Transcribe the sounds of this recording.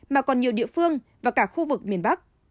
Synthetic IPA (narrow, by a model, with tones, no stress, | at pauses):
maː˨˩kɔ˨˩nɲi˨˩əwɗḭ˧˨əfɨ˧əŋvaː˨˩kaː˧˩xu˧vɨ˨˩k̚mi˨˩ənɓa˦˥k̚